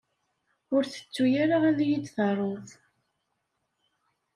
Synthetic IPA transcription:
ʊɾθə̥t͡sːujaɾaʁæðjid̪θɑrˤːoθ

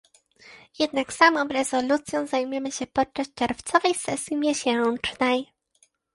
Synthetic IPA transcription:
jɛd̪naksamɔ̃w̃ɾɛzɔlut̪sʲjɔ̃w̃zajmujɛmɘɕɛpɔt̚t͡ʂːaɕ̚t͡ʂɛɾft̪sɔvɛjsɛsʲjimʲjɛɕɛt͡ʂnɛj

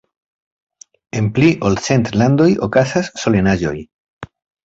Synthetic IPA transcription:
e̞mpliʔolse̞nt̪land̪o̞jokasasːo̞lenaʒo̞̰j

